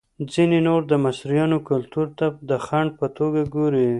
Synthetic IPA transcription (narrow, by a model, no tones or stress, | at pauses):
d͡zinenoɾd̪əmasɾijɑnokʊlt̪uɾt̪ad̪əxaɳɖ̚pət̪oɡaɡoɾi